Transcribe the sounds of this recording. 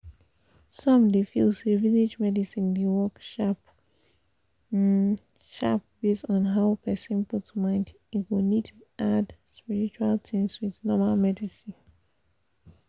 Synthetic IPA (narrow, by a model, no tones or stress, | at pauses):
sɔ̃mdefḭlseviled͡ʒmɛdisĩndewɔk | ʃa̰p̚b̥estɔn̩ɦaʊpʰɛsĩnputmãɪ̃nd | iwunid̚tʰu | adspiɹit͡ʃualtʰĩmswiðnɔmalmɛdisĩn